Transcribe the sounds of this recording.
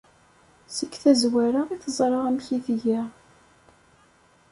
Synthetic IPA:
səkːθæzwæɾaʁiθəzˤɾˤɑʁæmçiθʝæ

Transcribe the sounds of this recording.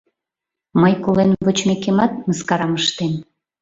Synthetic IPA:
məjkolenβot͡ɕmekemɑt̪̚məskɑɾɑməʃt̪en

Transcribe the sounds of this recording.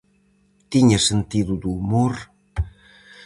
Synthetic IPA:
t̪iɲɐsent̪iðud̪uːmoɾ

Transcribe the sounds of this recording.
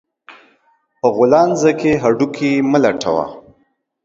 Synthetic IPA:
pəɣʊlɑnzəkeɦaɖukʰiməlaʈʰawa̰

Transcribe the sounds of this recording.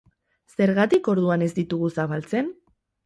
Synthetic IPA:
se̞ɾɣat̪iko̞ɾðuane̞zd̪it̪uɣusaβalt͡se̞n

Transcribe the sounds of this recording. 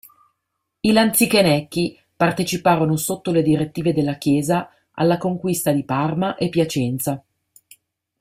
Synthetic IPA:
ilant̪sikenɛkːi | part̪et͡ʃipaːɾonosot̪ːoled̪iɾet̪ːiːved̪elːak̟jɛːza | ʔa̰lːakoŋkwist̪ad̪iparmaʔepːjat͡ʃɛnt̪sa

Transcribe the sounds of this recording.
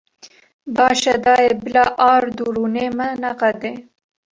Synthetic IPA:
bɑːʃad̪ɑːjebɪlɑʔɑːɾd̪uɾunemanaqad̪e

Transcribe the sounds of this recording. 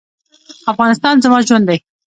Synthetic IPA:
afɣɑnɪst̪ɑnzamɑʒwand̪aj

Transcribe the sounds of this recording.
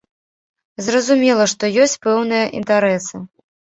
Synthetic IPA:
zrɐzumʲɛlˠɐʂt̪ɔjɔsʲt͡sʲpɛwnɨjɐʔḭnt̪aɾɛsɨ

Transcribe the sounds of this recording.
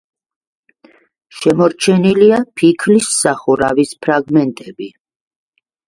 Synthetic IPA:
ʃɛmɔɾt͡ʃʰɛniliapʰikʰlisːaχuɾavispʰɾaɡmɛnt̪ʼɛbi

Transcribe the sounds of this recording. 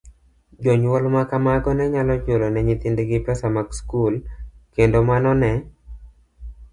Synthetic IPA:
d͡ʒoɲwɔlmakamaɡɔnɛɲalɔt͡ʃolonɛɲit̪ɪndeɡɪpɛsamakskulkendomanɔnɛ

